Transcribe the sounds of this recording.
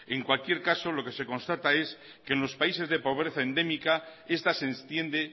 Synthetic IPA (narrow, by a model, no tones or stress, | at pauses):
e̞ŋkwalkje̞ɾkaso̞lo̞ke̞se̞ko̞nst̪at̪ae̞s | keːnlo̞spaise̞zðe̞po̞β̞ɾe̞θae̞nd̪e̞mikae̞st̪asenst̪je̞nd̪e̞